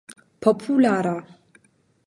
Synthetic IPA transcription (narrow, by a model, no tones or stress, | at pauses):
pʰopʰulaɾa